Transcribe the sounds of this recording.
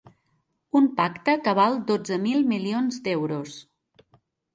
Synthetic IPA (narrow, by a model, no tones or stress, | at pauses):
umpakt̪əkəβ̞alˠd̪od͡zəmilˠmilionzd̪ɛwɾos